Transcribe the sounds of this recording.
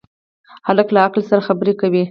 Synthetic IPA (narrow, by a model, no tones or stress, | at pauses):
haləklaaklsaɾaxabəɾekawi